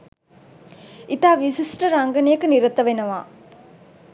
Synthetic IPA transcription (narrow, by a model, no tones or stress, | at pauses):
it̪aːʋisisʈəɾaŋɡənijəkəniɾət̪əʋenəʋaː